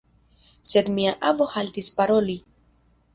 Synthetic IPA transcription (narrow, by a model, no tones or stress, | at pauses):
se̞d̪miaʔavo̞halt̪ispaɾoli